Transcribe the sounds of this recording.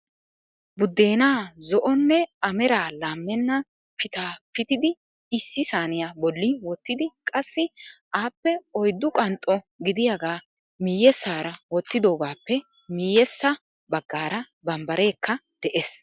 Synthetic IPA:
bʊd̪ːe̞ːnaːzɔʔɔnːɛɐmɛɾaːlaːmːɛnːɐ | pɪt̪aːpɪt̪ɪd̪ɪː | sːɪsaːnɪjabɔlːiwɔt̪ːɪd̪ɪkʼɐsːɪʔaːpːɛɔjd̪ːʊkʼɐnt̪ʼɔ | ɡɪd̪ɪjaɡaː | miːjɛsːaːɾɐwɔt̪ːɪd̪o̞ːɡaːpːɛ | miːjɛsːɐ | bɐɡːaːɾɐ | bɐmbɐɾʔe̞ːkːɐd̪̥ɛʔes

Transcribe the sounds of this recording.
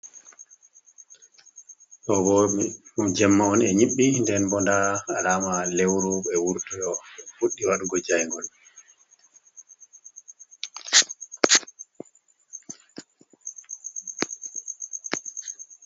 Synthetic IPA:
ɗɔbɔmd͡ʒɛmːaɔnɛɲiɓːindɛnbɔndaalaːmalewɾuɓɛwuɾtujɔfuɗːiwaɗuɡɔd͡ʒajŋɡɔl

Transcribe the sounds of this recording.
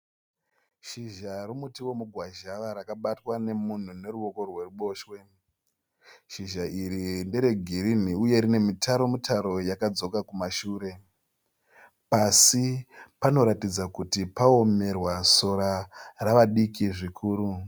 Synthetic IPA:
ʃiʒarumutiwo̞muɡʱwaʒaʋaɾakaɓatwane̞mun̤une̞ruo̞ko̞rwe̞ruɓo̞ːʃwe̞ | ʃiʒaʔiɾindeɾe̞ɡʱiɾin̤iuje̞ɾine̞mitʰaɾo̞mitʰaɾo̞jakad͡zo̞kakumaʃuːɾe̞ | pasipano̞ɾatid͡zakutipaome̞rwaso̞ɾaraʋaɗikiʐikʰuːɾu

